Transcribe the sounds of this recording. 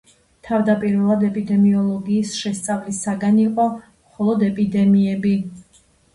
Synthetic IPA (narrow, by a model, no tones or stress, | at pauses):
t̪ʰavd̪apʼiɾvɛlˠad̪ɛpʼid̪ɛmiɔlˠɔɡiːsʃɛst̪sʼavlisaɡaniqʼɔ | mχɔlˠɔd̪ɛpʼid̪ɛmiɛbi